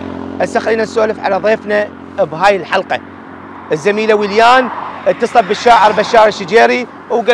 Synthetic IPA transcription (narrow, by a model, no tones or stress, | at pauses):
ʔasaxliːnasːoːlɪfʕa̰laðˤeːfna | bɦaːjəlħɑlqɑ | ʔəzːamiːlawiljaːnʔət̪ːɨsˤɑbːɪʃːaːʕəɾˤbaʃːaːɾiʃːɪd͡ʒaːɾi | wɡa